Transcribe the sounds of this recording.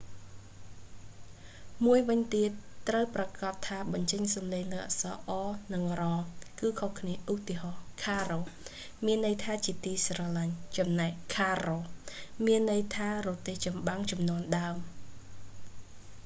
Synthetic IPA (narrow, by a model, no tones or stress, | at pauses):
muəjʋɨɲt̪iət̪ːrəwprɑkɑt̪ʰːaːɓɑɲt͡ɕəɲsɑmleːŋləʔa̰sɑ̰ːʔɑːnɨŋrɑːkɨːkʰohkʰniəʔut̪iəɦɑːkʰaːroː | miənːɨjt̪ʰaːt͡ɕiət̪iːsrɑːlaɲt͡ɕɑmnaɛkkʰːaːroːmiənːɨjt̪ʰaːroːt̪eːht͡ɕɑmɓaŋt͡ɕɑmnŏənɗaəm